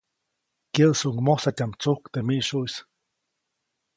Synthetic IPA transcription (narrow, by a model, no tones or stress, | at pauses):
kjəðsuŋmosat̪ʲamt͡suhkt̪emiʔʃuʔjs